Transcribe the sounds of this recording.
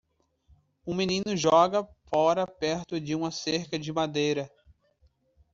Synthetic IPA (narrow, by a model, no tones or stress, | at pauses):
ũminĩnʊʒɔɡɐfɔɾɐpɛɾt̪ʊd͡ʒɪũmɐseɾkɐd͡ʒɪmad̪ejɾɐ